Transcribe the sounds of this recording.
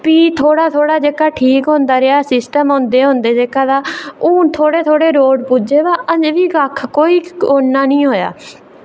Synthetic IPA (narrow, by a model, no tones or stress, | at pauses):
piːt̪ʰoːɽaːt̪ʰoːɽaːd͡ʒeːkaːʈʰiːkɦõːnd̪aːɾeaːsɪsʈəmɦõːnd̪eːɦõːnd̪eːd͡ʒeːkaːd̪aːuːt̪ʰoːɽeːt̪ʰoːɽeːɾoːɖpuːd͡ʒeːʋaːʔəd͡ʒʋiːɡəkʰːkoːiːoːnːaːnĩːɦoːja̰ː